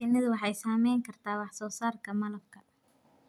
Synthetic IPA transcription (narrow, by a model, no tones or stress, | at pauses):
ɪnɐðʊwɑħɑjsaːmɛjŋkʰɐrt̪ʰaːwɑħsɔːsaːrkʰɐmɐlɐb̚kʰɐ